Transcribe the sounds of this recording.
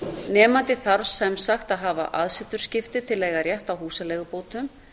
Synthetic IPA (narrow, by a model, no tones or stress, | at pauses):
nɛːmant̪ɪθaɾsɛmsaxt̪aðɦaːva̰ʔaðsɪt̪ːʏɾ̥scɪft̪ɪt̪ʰɪlːɛːjɣarjɛht̪awhuːsalɛːɣʏpoːwt̪ʏm